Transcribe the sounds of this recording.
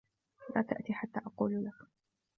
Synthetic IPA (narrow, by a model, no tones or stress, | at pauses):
laːt̪aʔt̪iːħat̪ːaːʔɑquːllak